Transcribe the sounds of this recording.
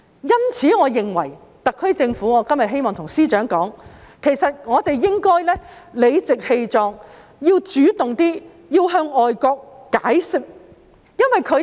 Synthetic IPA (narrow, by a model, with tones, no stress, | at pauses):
jɐ˥nt͡sʰiː˨˥ŋɔː˨˧jɪ˨ŋwɐ̰˨˩j | t̪ɐ˨kʰːɵ˥ɥt͡sɪ˧ŋfuː˨˥ŋɔː˨˧kɐ˥mjɐ˨t̚ɦe˥jmɔː˨ŋt̪ʰʊ˨˩ŋsiː˥t͡ʃœː˨˥ŋkɔː˨˥ŋkʰe˨˩jsɐ˨t̚ŋɔː˨˧t̪e˨jːɪ˥ŋkɔː˥jlɛː˥le˨˧jt͡sɪ˨k̚he˧jt͡sɔː˧ŋ | jiː˧wt͡ʃyː˨˥t̪ʊ˨ŋt̪iː˥ | jiː˧wɦœː˧ŋɔː˨jkɔː˧k̚ːaː˨˥jsɪ˨k̚ | jɐ˥nwɐ˨jkʰɵ˨˧